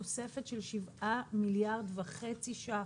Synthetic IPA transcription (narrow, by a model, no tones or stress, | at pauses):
ose̞fetʃelʃivʔamiljaʁd̪vaχet͡siʃa